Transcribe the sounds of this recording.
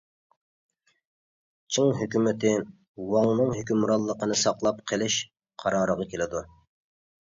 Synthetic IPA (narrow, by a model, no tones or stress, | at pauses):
t͡ʃʰiŋɦøkʲymɪt̪ʰɪ | wɑŋnɨŋɦykʲymɾɑlˠːəqənɨsɑqlˠɑpqʰəlˠɪʃ | qʰɑɾɑːɾəʁɑkʲelɪd̪u